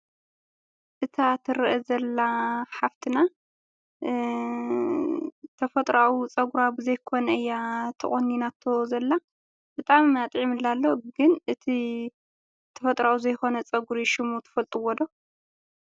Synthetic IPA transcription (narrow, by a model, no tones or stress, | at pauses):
ʔɨt̪ʰat̪ʰɨɾɐʔɐzɐlːaħaft̪ʰina | t̪ʰɐfɐt̪ʼɾaut͡sʼɐɡuɾabɨzɐjkʰo̞nɐɨjːat̪ʰɨχʼonːinat̪ʰːo̞zɐlːa | b̥ɨt̪ʼamat̪ʼʕimɨlːalːoɡɨnɨt̪ʰi | t̪ʰɐ̥fɐt̪ʼɾauzɐjxo̞nɐt͡sʼɐɡuɾiʃɪmut̪ʰɐ̥fɐlt̪ʼɨwɔd̪o